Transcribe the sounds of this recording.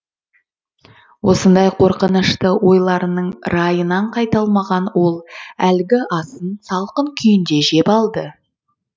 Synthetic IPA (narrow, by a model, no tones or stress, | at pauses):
wo̞sənd̪ɑjqʰo̞ɾqənəʃt̪əwʔo̞jlˠɑɾənəɴɾɑjənɑɴqʰɑjt̪ɑlˠmɑʁɑnwo̞lˠælɡʲɪʔɑsənsɑlˠqəŋkʲʰʏjɪnd̪e̞ʒe̞pɑlˠd̪ə